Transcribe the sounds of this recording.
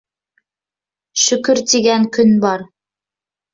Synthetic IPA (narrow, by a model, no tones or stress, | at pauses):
ʃɵ̆kɵɾt̪iɡæŋkɵnbɑɾ